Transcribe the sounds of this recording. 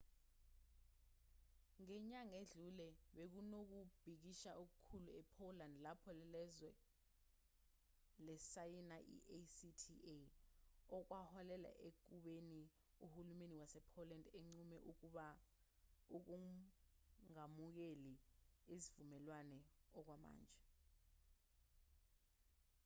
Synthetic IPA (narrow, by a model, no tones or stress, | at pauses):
ŋɛɲaŋeɮulɛɓek̬unok̬ub̥ʱik̬iʃauk̬ukʰuluɛpʰolandlapʰɔlɛlɛzwɛ | lɛsajinaʔḭʔesitʰie | ɔk̬wahɔlɛla̰ʔek̬uɓeni | uhulumeniwasɛpʰolandeŋ͡ǀumɛʔuk̬uɓa | uk̬u | ŋamuk̬eliizivumɛlwanɛɔk̬wama̰ːnd͡ʒʱɛ